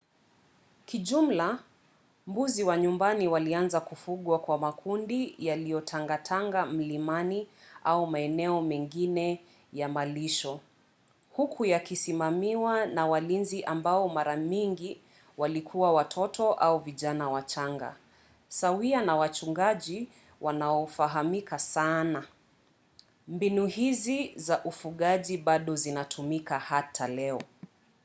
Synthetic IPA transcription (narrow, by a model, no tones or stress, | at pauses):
kiʄum̩la | mbuziwaɲumbaniwalianzakufuɠwakwamakʰundijalijɔtʰaŋɡatʰaŋɡam̩limaniʔaumaɛnɛɔmɛŋɡinɛ | jamaliʃɔ | hukʰujakisimamiwanawalinziʔambaɔmaɾaɲiŋɡi | walikʰuwawatʰɔtʰɔʔauviʄanawat͡ʃaŋɡa̰ | sawianawat͡ʃuŋɡaʄi | wʔanaɔfaɦamikasana | mbinuhizizaʔufuɠaʄiɓaɗɔzinatʰumikahatʰalɛɔ